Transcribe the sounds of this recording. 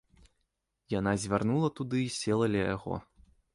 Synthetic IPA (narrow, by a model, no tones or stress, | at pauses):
janazʲvʲarnulˠɐt̪ud̪ɨisʲɛlˠɐlʲijaɣɔ̰